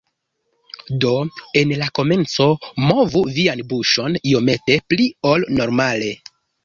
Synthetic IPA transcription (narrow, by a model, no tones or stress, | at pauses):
do̞e̞nlako̞me̞nt͡so̞mo̞vuvianbuʃo̞nio̞me̞te̞pliolno̞ɾmale̞